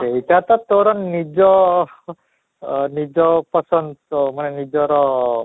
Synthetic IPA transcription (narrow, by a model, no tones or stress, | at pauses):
eitat̪ɔt̪oɾɔnnid͡ʒɔ | nid͡ʒɔpɔsɔnd̪somanɛnid͡ʒɔɾɔ